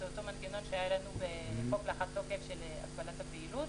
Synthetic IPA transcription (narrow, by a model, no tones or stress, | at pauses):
eoto̞manɡeno̞nʃeajelanubeχoklaχatlokefʃelea̰ɡbalathabiilut